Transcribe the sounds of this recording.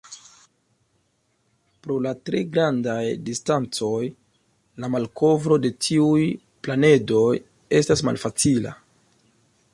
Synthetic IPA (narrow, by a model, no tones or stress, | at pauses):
pɾo̞latɾe̞ɡɾandajdistant͡so̞j | lamalko̞vɾo̞de̞tʰiuj | plane̞do̞j | e̞stasma̰lfat͡sila̰